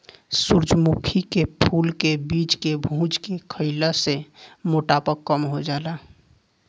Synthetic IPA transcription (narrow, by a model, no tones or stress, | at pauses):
suɾd͡ʒmukʰikepʰuːlkebiːt͡ʃkebʱũt͡ʃkekʰəɪlasemoʈapəkːəmɦod͡ʒala